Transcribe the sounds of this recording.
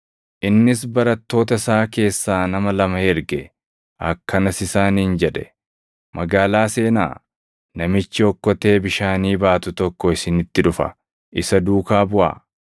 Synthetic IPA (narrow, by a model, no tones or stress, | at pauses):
ʔɪnːɪsbɐɾɐt̪ːo̞ːt̪ɐsaːke̞ːsːaːnɐmɐlɐmɐhɛɾɡɛ | ʔɐkːɐnɐsɪsaːniːnd͡ʒɛᶑɛ̥ | mʔɐɡaːlaːse̞ːna̰ː | nɐmɪt͡ʃːɪɔkːɔt̪e̞ːbɪʃaːniːbaːt̪ʊt̪ɔkːɔɪsɪnɪt̪ːɪᶑʊfɐ̰ | ʔɪsɐd̪uːkaːbʊʔa̰ː